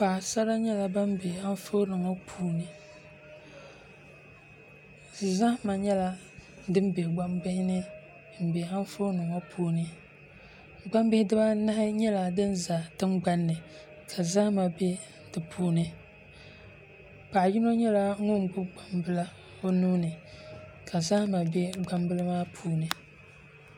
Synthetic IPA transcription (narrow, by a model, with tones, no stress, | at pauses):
paː˨sa˦ɾa˦ɲɛ˦la˨ba˦mbe˨a˦n˦fo˦nɨ˨ŋɔ˦pʰuː˦nɨ˨ | zɨ˨za˦hma˨ɲɛ˦la˦ | dɨ˦m˦be˨ɡ͡ba˦mbɪ˦hɪ˦nɨ˦˨ | m̩˨be˨a˦n˦fo˦nɨ˨ŋɔ˦pʰuː˦nɨ˨ | ɡ͡ba˦mbɪ˦hɪ˦dɨ˦ba˦na˦hɪ˦ɲɛ˦la˨dɨ˦nza˨tɨ˦mɡ͡ba˦nːɨ˨ | kʰa˨za˦ma˨be˦ | dɨ˨pʰuː˦nɨ˦ | k͡pa˨ji˦no˦ɲɛ˦la˦ŋʊ˦ŋ˨bʊ˦ɡ͡ba˨mbɨ˦la˦ | o˦nuː˦nɨ˨ | kʰa˨za˦ma˨be˦ɡ͡ba˦mbɨ˦la˦maː˦pʰuː˦nɨ˨